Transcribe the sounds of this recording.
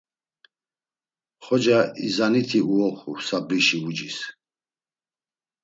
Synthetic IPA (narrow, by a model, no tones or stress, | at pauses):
χɔd͡ʒaḭzanit̪ʰiuɔχusabɾiʃiud͡ʒis